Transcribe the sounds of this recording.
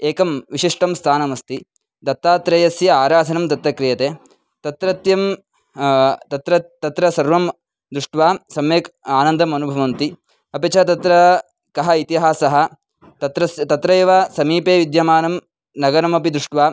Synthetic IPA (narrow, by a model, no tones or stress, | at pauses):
eːkɐmʋiʃiʂʈɐmst̪ʰaːnɐmɐst̪i | d̪ɐt̪ːaːt̪ɾɐjɐsjɐaːɾaːd̪ʰʱɐnɐmt̪ɐt̪ɾɐkɾijɐt̪eː | t̪ɐt̪ɾɐt̪jɐm | t̪ɐt̪ɾɐt̪ɐt̪ɾɐsɐɾʋɐm | d̪ɾuʂʈʋaːsɐmeːkaːnɐnd̪ɐmɐnubʱɐʋɐnt̪i | ɐpit͡ʃɐt̪ɐt̪ɾɐ | kɐɦɐit̪iɦaːsɐɦɐ̆ | t̪ɐt̪ɾɐst̪ɐt̪ɾɐeːʋaːsɐmiːpeːʋid̪jɐmaːnɐm | nɐɡɐɾɐmɐpid̪ɾuʂʈʋaː